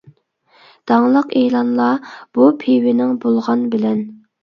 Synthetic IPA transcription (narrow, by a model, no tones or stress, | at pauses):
d̪̥ɑŋlˠəqehlˠɑnlˠɑb̥upʰewɪnɪŋbolˠʁɑnbɪlɛn